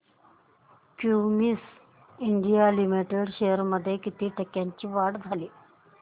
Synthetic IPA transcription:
kjumis | iɳɖijalimiʈeɽɕejəɾməd̪ʱːjekit̪iːʈəkːjaɲt͡ɕiːʋaɽd͡zʱaliː

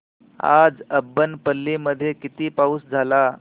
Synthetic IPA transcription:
a̰d͡zəbːənpəlːiməd̪ʱːjekit̪iːpauːsd͡zʱala

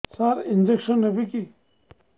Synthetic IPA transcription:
saɾind͡ʒekʂɐnːebiki

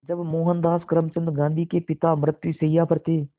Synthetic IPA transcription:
d͡ʒəbmoːɦənd̪aːskəɾəmt͡ʃə̃nd̪ɡãːnd̪iːkeːpɪt̪aːmɾət̪juseijaːpʰəɾt̪eː

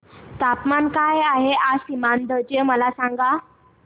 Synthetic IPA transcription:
t̪apmankajaɦeʔasimand̪əd͡ʑeməlasãŋɡa

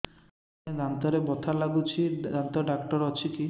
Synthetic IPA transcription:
ed̪ant̪ɔɾebɔt̪ʰalaɡut͡ʃʰiant̪ɔɖakʈɔɾɔt͡ʃʰiki

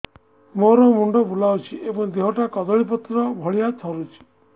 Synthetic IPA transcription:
moɾɔmuɳɖɔbulawt͡ʃʰiʔebɔŋd̪eɦɔʈakɔd̪ɔɭip̬ɔt̪ːɾɔbʱɔɭijat̪ʰɔɾut͡ʃʰi̥

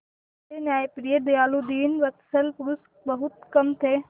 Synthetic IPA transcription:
t̪enaːepɾijəd̪ɐjaːlud̪iːnʋɐt̪səlpʊɾʊs | bɐɦʊt̪kɐmt̪ʰeː

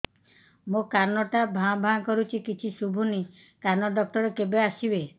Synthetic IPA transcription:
mokaɾnɔʈabʱãbʱãkɔɾut͡ʃʰikit͡ʃʰisubʱuni | kaɾnɔɖɔk̚ʈɔɾekebeasibe

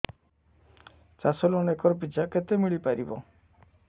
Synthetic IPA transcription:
t͡ʃasɔlɔnekɔɾpit͡ʃaket̪emiɭipaɾḭbɔ̰

